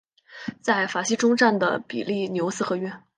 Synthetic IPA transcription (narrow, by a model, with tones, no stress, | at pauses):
t͡sa˥˩ɪfa˨˩ɕi˥ʈ͡ʂʊ˥ŋʈ͡ʂa˥˩nd̪ə̰˩pḭ˨˩li˥˩njo˧˥ʊsɹ̩˥˩xɤ˧˥ɥɛ˥˩